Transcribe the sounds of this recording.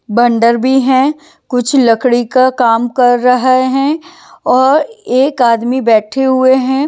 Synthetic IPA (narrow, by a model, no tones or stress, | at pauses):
bɐ̃ɳɖəɾbʱiɦɛ̃ː | kʊt͡ʃʰlɐkɽikakaːmkɐɾːɐɦaeɦɛ̃ː | ɔːɾeːkaːd̪mibɛːʈʰeɦʊeɦɛ̃ː